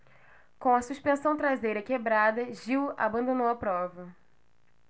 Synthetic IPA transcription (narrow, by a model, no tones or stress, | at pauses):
kõw̃ɐsuʃpẽsɐ̃w̃t̪ɾazejɾɐkebɾad̪ɐʒiwa̰bɐ̃nd̪õnowɐpɾɔvɐ